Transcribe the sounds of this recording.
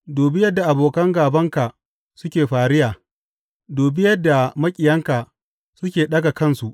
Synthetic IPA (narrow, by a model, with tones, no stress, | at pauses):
doː˨bi˦jɐ˦dːa˨ʔa˨boː˨kɐ˦ŋɡaː˨bɐ˦ŋka˨ʔ | sʊ˦kʲeː˨ɸaː˨ɾɪ˦jaː˨ | doː˨bi˦jɐ˦dːa˨mɐ˦kʲʼɪ˨jɐ˦ŋka˨ | sʊ˦kʲeː˨ɗɐ˦ɡa˨kɐ˦˨nsu˨ʔ